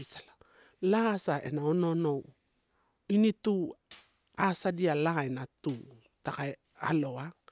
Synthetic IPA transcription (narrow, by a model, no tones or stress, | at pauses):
it͡ʃala | laasaḛnaononow | initu | asadialaaenatu | takae | a̰loa